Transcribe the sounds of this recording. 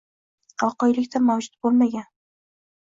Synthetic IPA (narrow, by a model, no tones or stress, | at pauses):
qʰɑlˠqɒjlɪkʲt̪ʰamawd͡ʒʊt̪̚bolˠmaɡʲan